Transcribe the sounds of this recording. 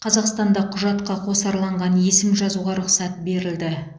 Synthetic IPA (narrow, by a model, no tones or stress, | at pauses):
qʰɑzɑqst̪ɑnd̪ɑqʰʊʒɑt̪qɑqʰosɑɾlˠɑɴʁɑnje̞sɪmʒɑzuʁɑɾʊqsɑt̪̚be̞ɾɪld̪ɪ